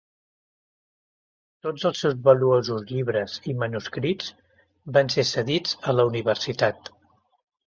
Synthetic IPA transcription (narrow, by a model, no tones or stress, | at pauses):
t̪od͡zəlˠsɛwzβəluozuzʎiβɾəzimənuskɾid͡z | bansesəðid͡zələuniβ̞ərsit̪at̪